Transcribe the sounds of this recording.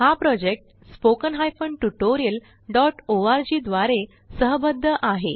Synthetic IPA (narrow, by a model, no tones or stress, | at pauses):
hapɾɔd͡ʑek̚ʈ | spokənɦajfəɳɖʈuʈoɾijəl | ɖɔʈoaɾd͡ʑiːd̪ʋaɾe | səɦbəd̪ʱːəʔaɦe